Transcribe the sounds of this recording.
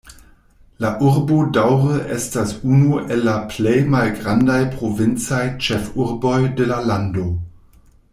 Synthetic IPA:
laʔuɾbodawʁəʔestasunuʔelːaplejmalɡʁandajpʁovint͡sajt͡ʃefuɾbojdelalando

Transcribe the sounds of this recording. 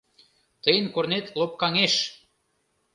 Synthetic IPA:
t̪əjənkornet̪lop̚kɑŋeʃ

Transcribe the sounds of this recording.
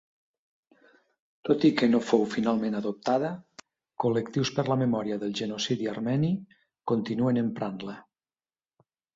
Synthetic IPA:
t̪ot̪ikenofowfinalˠmẽnaðop̚t̪aðə | kolek̚t̪iwspəɾlamemɔɾiaðəlˠʒenosiðiaɾmɛni | kont̪inuenempɾanlə

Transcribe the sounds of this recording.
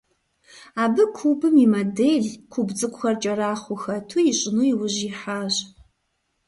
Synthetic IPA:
aːbɨkʷʰubɨmimɐdeɮkʷʰubd͡zɨkʷʼxɐrt͡ʃʼɐraːχʷʊxɐtʰujɪɕʼɪnuiwʊʑiħaːʑ

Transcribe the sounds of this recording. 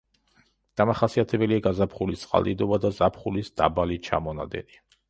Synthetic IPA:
d̪̥amaχasiat̪ʰɛbɛliaɡazapʰχulist̪sʼqʼa̰lˠd̪ḭd̪ɔbad̪azapʰχulisd̪̥a̰balit͡ʃʰa̰mɔna̰d̪ɛ̰ni

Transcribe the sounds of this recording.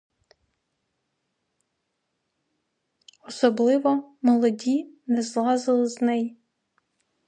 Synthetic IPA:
ɔsɔblˠɪʋɔmɔlˠɔdʲinɛzlˠɑzɪlˠɪznɛj

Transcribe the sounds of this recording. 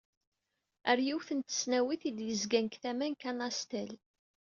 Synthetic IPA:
əɾjiwθənt̪ə̥snæwiθid̪jəzɡænkθæmænkænɑst̪æl

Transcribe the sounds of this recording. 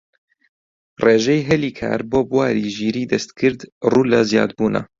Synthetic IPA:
reːʒɛjɦɛliːkʰa̰ːɾboːbwaːɾiːʒiːɾiːd̪ɛst̪kʰɨɾd̪ruːlazija̰ːd̪̚buːna̰

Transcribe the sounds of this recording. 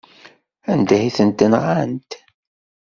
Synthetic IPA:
ænd̪æhiθənt̪ənʁant̪

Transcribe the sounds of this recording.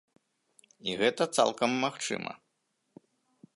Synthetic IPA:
iɣɛt̪ɐt̪sa̰lˠkɐmːaxt͡ʂɨ̰mɐ̰

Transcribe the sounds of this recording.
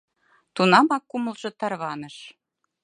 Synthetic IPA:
t̪unɑmɑkːumɤ̆lʒɤ̆t̪ɑrβɑnɤ̆ʃ

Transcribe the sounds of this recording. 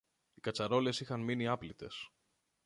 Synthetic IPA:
ikɐt͡sɐɾo̞le̞sixɐnminiɐplit̪e̞̰s

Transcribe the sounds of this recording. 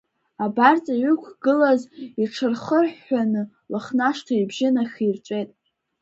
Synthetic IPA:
abart͡sʼaɥʊkʷʰɡɨlaziʈ͡ʂʰɨrχərħːanɨ | laχnaʂtʰaibʒɪnaxʲirt͡ʃʷʼe̞jtʼ

